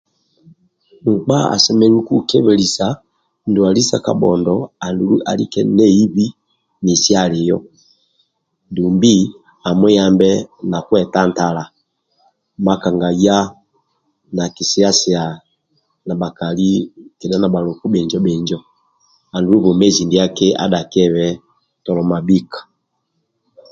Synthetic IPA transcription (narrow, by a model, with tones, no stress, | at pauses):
ŋ̩˨k͡pa˦a̰˨sɛ˨mɛ˦ɾu˦ku˦kɛ˦βɛ˨li˨sa˨ | n˨du˨a˨li˦sa˨ka̰˨bɔ̰˨ndɔ˨a˨ndu˨lu˦ʔa̰˨lḭ˦kɛ˦nɛ˦i˦βi˦ | ni˨si˦a˦˨li˨jɔ̰˦ | du˨mbi˦ | a˨mwɛ˦ja˦mbɛ˦na˨kwɛ˨ta˦nta˨la˨ | ma˦ka˨ŋɡa˨ja˦ | na˨ki˨si˦a˦si˨a˨ | na˨ba˨ka˨li˦kɛ˨da˦na˨ba˨lɔ˨ku˦bɛ˨ɲd͡ʒɔ˦bɛ˨ɲd͡ʒɔ˦ | a˨ndu˨˦u˦βɔ˨mɛ˦zi˨ndi˨a˦kɛ˦ʔa̰˦da˨kɛ˦βɛ˦ | tɔ˨lɔ˨ma˨bi˦kḁ˨